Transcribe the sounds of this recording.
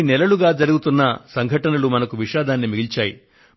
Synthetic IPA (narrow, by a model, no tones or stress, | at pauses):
nɛlɐluɡaːd͡ʒɐɾuɡut̪unːɐsɐŋɡʱɐʈɐnɐlumɐnɐkuʋiʃaːd̪ʱaːnːimiɡilt͡ʃaːjḭ